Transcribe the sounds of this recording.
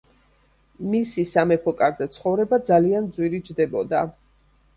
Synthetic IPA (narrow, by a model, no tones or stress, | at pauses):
misisamɛpʰɔkʼaɾzɛt̪sʰχɔvɾɛbad̪zaliand̪zwiɾid͡ʒd̪ɛbɔd̪a